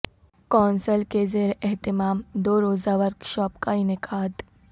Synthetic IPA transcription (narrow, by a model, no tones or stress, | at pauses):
kɔːnsəlkezeːɾʔɛɦt̪ɪmaːmd̪oːɾoːzaʋəɾɡʃɔːpkaɪnɪkʰaːd̪